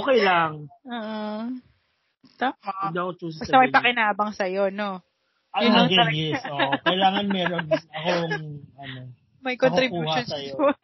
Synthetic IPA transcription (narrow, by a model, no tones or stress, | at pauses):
ʔokɛjlɐŋʔoːʔo | t̪aːmad̪iːɐkot͡ʃuːs̬bɐsɐmɐjpɐkɪnaːbɐŋsɐjo̞no | ʔɐʊnɐɐɡɛjɛsokɐjlaːŋɐnmɛɾonɐkoŋɐno | mɐjkont̪ɾɪbjuuːʃonsɐjo